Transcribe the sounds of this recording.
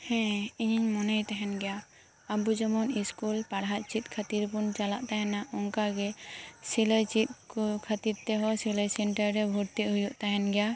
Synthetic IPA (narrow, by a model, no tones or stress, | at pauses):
hɛ̃iɲiɲmɔnajt̪aɦɛnɡɛja | abud͡ʒɔmɔniskulpaɽɦaʔ̪̚t͡ʃit̪̚kʰat̪iɾbunt͡ʃalaʔt̪aɦɛnaʔɔŋkaɡɛsiləjt͡ʃit̪̚kkʰat̪iɾt̪ɛɦɔsiləjsɛɳʈaɾɾɛbʱuɾt̪iʔɦujɔʔt̪aɦɛnɡɛja